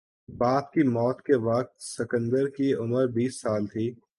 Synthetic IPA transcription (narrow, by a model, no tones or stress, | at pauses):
baːp̪kimɔːt̪keʋɐk̚t̪sɪkə̃nd̪əɾkiʊməɾbiːsːaːlt̪ʰiː